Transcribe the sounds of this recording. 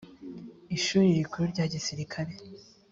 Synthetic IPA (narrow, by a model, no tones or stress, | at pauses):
iʃuːɾiɾikʰuɾuɾɟaːɟisiɾikʰaɾe